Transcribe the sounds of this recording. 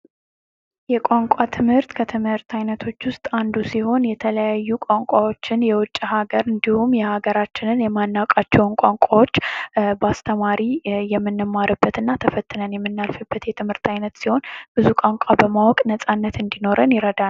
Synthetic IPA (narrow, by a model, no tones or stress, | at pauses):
jɛkʷʼaŋkʷʼat̪ʰɨmhɨɾt̪kʰət̪ʰɨmhɨɾt̪ʰajnət̪ʰo̞t͡ʃːwʊst̪ʼand̪usiho̞njɛt̪ʰələjajːukʷʼaŋkʷʼawo̞t͡ʃːɪnjɛwʊt͡ʃʼːhaɡəɾɨnd̪ihumjɛhaɡəɾat͡ʃːɪnɨnjɛmanːakʼat͡ʃːɛwnkʷʼaŋkʷʼawo̞t͡ʃːbast̪ʰəmaɾijɛmːɨnːɨmːaɾɨbːət̪ɨnːat̪ʰəfət̪ʼːɨnənjɛmːɨnːalfɨbːət̪jɛt̪ʰɨmhɨɾt̪ʰajnət̪siho̞nb̥ɨzukʷʼaŋkʷʼabəmawɔkʼnəsʼanːət̪ɨnd̪ino̞ɾənjɪɾəd̪a